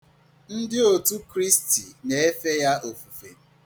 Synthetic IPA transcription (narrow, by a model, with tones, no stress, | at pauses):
n̩˦dɪ˦o˨tu˦kɾi˦sti˨ne˨e˦fe˦ja˦o˨fu˨fe˨˦